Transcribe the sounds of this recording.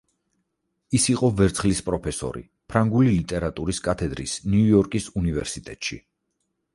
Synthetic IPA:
isiqʼɔvɛɾt̪sʰχlispʼɾɔpʰɛsɔ̰ɾḭ | pʰɾaŋɡulilit̪ʼɛɾat̪ʼuɾiskʼat̪ʰɛd̪ɾḭsniujɔɾkʼisunivɛɾsit̪ʼɛt̪ʼʃḭ

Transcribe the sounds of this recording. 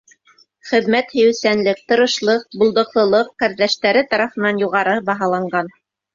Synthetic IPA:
χɘ̆ðmæt̪hɵ̆jɘ̆wsænlɘk̚t̪ɤ̆ɾɤ̆ʃlˠɤq̚bŭlˠd̪ɤ̆qlˠɤ̆lˠɤqːæɾðæʃt̪æɾɘt̪ɑɾɑfɤ̆nɑnjuʁɑɾɤbɑɦɑlˠɑɴɢɑn

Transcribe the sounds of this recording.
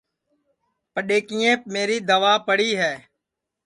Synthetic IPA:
pəɗeːkiːẽːp̚meːɾiːd̪əʋaːpəɽiːɦɛː

